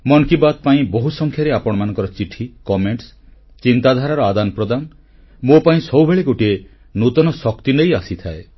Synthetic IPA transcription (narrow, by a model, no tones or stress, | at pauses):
mɔŋkibad̪̚paĩboɦusɔŋkʰjaɾeapɔɽ̃ɔmanɔ̃ŋkɔɾɔt͡ʃiʈʰikɔmeɳʈs | t͡ʃint̪ad̪ʱaɾaɾɔad̪anpɾɔd̪an | mopaĩsɔwbʱeɭeɡoʈie | nut̪ɔnɔsɔkt̪inejasit̪ʰae